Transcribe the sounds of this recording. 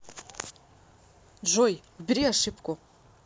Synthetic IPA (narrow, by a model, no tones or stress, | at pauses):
ʒʷojɡʷbriaʂɪpʰkʷʼʊ